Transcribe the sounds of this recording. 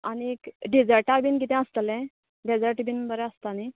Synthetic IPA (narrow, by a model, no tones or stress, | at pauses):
aniekɖid͡zəɾʈabinkit̪ɛ̃əst̪əlɛ̃ | ɖed͡zəɾʈbinbəɾɛ̃əst̪ani